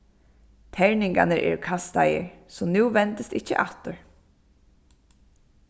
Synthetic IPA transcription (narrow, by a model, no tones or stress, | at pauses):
t̪ʰɛɹnɪŋka̰nəɾʔɛ̰ɹkʰast̪a̰jə̰ɹsɔmnuːʋɛnt̪əst̪ɪcːə̰ʔaht̪ʊɹ